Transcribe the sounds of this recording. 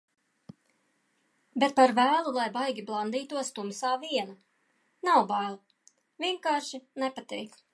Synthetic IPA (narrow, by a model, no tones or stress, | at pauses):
bet̪̚paɾvæːlˠulˠajbajɡʲiblˠand̪iːt̪uɔst̪umsaːviɛna | nawbajlˠu | vʲiɛŋkaːɾʃinɛpat̪ɛjk